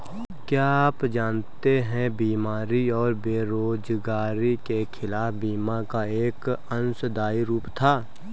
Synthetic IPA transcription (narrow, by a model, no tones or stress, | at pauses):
kjaːpd͡ʒaːnt̪eɦɛ̃biːmaːɾiɔːɾbeːɾoːd͡ʒɡaːɾikekʰɪlaːfbiːmakaeːkə̃nsd̪aːiɾuːpt̪ʰaː